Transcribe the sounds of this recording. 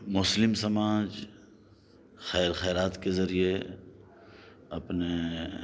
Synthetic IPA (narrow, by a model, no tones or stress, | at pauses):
mʊslɪmsɐmaːd͡ʒ | xɛːɾxɛːɾaːt̪kezɐɾie | ɐpne